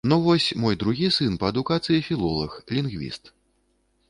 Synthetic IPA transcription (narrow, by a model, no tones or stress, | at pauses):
nuvɔsʲmɔjd̪ɾuɣʲisɨnpɐɐd̪ukat̪sɨjifʲilˠɔlˠɐ̰xlʲinɣvʲḭst̪